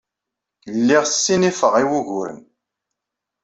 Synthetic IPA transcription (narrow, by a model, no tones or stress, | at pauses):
lːiʁθsːinifəʁiwuʝʊɾə̰n